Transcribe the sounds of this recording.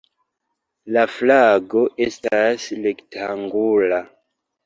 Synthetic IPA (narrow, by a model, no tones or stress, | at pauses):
laflaɡo̞ʔe̞stasle̞ktʰaŋɡula